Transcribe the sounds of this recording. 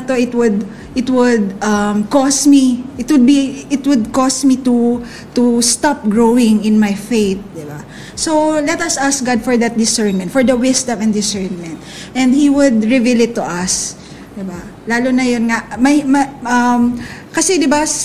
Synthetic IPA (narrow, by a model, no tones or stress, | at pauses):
t̪oʔɪt̪wʊd̪̚ | ʔɪt̪wʊd̪̚ʔɐmkɔsmiʔɪt̪wʊd̪̚biɪt̪wʊd̪̚kɔsmit̪u | t̪ust̪ap̚ɡɹowɪ̃ŋɪ̃nmajfejt̪̚d̪ɪba | sowlɛt̪ɐsʔask̚ɡad̪̚fɔɹd̪ɐt̪̚d̪ɪsɛɹnmɛnt̪fɔɹd̪ɐwɪsd̪ɐ̃mɛnd̪ɪsɛɹnmɛ̃nt̪̚ | ʔɛ̃nd̪hiwʊd̪ɹɪvilɪt̪ːʊʔɐs | d̪ɪbalaːlonɐjonŋaʔmɐmɐʔɐmkɐsɛd̪ɪbas